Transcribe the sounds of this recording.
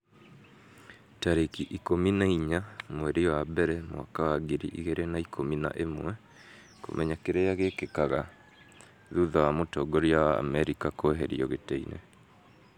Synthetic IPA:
taɾekiʔikominaiɲamwɛɾiwabɛɾɛmwa̰kawaɡiɾiʔḭɣeɾenaikʰomina̰ʔemwɛ | ko̰mʔɛɲakeɾejaɣekekaɣa | ðuðawamotɔɡɔɾjawa̰ːmɛɾikakoɦeɾḭɔɣetɛḭnḛ

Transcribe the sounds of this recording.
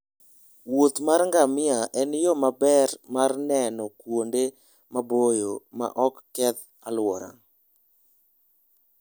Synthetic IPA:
wot̪marŋɡamɪaʔɛnjɔmabɛrmarnɛnɔkwonde | mabojoma̰ʔɔkːɛt̪ | alwɔɾa̰ŋ

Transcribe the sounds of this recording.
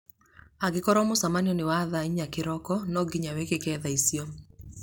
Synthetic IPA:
aɡɪkɔɾɔmʊsamanjɔnɪwaðaiɲakɪɾɔkɔnɔɡiɲawekekɛðaisjo

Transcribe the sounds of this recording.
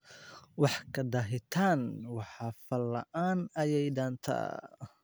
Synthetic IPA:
wɑħkʰɐd̪ɐɦɪt̪ʰaːnwɑħɑːfɐlːɐ̰ʔaːnɐjɛjɖaːnt̪ʰɐ̰ː

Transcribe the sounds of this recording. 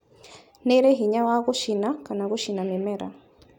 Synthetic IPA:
neɾeɦiɲawaɣuʃinakanaɣuʃinamemeɾa̰

